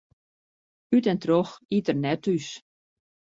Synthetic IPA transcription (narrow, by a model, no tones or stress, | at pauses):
ytɛntroxitərnɛtys